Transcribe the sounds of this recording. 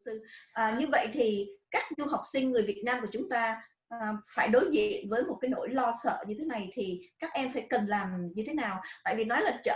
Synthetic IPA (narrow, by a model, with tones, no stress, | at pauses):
ɨ˧ʔəː˨˩ɲɨ˧və̰˧˨jt̪ʰi˨˩kaː˦˥k̚zu˧ɦa˨˩wk͡p̚sï˧ŋ̟ŋɨ˨˩əjvi˨˩ət̚naː˧mku˧˩ət͡ɕʊ˨˦ŋ͡mt̪aː˧ | ʔfaː˧˩jɗo˨˦jzḭ˧˨ənvəː˨˦jmo˨˩t̚kaː˨˦jno̰˧˥˩jlɔ˧sə̰ː˧˨ɲɨ˧t̪ʰe˨˦na˨˩jt̪ʰi˨˩kaː˦˥k̚ʔɛ˧mfaː˧˩jkə˨˩nlaː˨˩mɲɨ˧t̪ʰe˨˦naː˨˩wt̪a̰ː˧˨jvi˨˩nɔ˨˦jlaː˨˩t͡ɕə̰ː˧˨